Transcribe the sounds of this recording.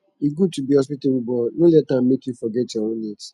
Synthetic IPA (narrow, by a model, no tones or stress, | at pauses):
iɡud̚tubihɔspitebubɔnolɛt̚ːãmmekjufɔɡɛtjɔõnnet